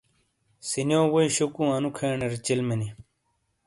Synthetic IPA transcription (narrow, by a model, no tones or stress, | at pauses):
sinjoːwoiɕukũɐnukʰeːɳeɾit͡ɕilmeni